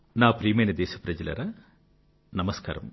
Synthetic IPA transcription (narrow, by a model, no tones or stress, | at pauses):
naːpɾiːmɐnɐd̪eːɕɐpɾɐd͡ʑɐlɐ̰ɾɐ | nɐmɐska̰ːɾɐm